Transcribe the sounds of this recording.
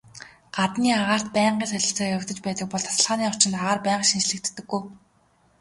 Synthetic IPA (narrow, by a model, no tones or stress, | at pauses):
ɢ̥at̪niːaʁaːr̥t̪̚pæːɴɢiːnsæɮʲɪ̆ɬt͡saːkɘ̆kt̪ɘ̆t͡ɕpæːt̪ə̆k̚pɔɮt̪ʰḁsə̆ɮʁaːniːʊt͡ɕɪ̆nt̪aʁaːrpæːʁə̆ʃint͡ɕɮɘ̆k̚t̪ːɘ̆ɡːuj